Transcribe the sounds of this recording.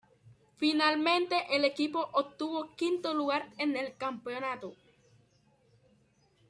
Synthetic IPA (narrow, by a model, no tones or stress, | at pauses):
finalmẽnt̪eʔelekipo̞ʔop̚t̪uβokint̪oluɣaɾenelkampeonat̪o